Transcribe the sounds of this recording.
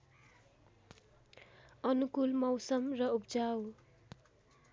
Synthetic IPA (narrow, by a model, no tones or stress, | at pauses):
ʌnukulmʌwsʌmrʌupd͡zaw